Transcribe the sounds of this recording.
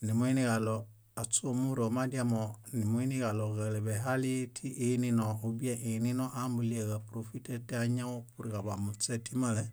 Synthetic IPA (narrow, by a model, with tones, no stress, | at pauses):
ni˨mo˦i˦niɡa˨lo | a˨t͡ʃo˦mu˦ɾo˨ma˦diamo˨ni˨mo˦i˦ni˦ɡa˨lo˨ɡa˨le˨be˨ɦali˦tʰi˦ʔenino˨u˨bi˦e˦ʔi˨ni˦no˦ʔambuli˦e˨ɡa˨pɾo˨fi˦te˦ti˦a˦ɲa˦o˦pu˨ɾika˨ba˨mu˨t͡ʃe˦ti˦ma˦le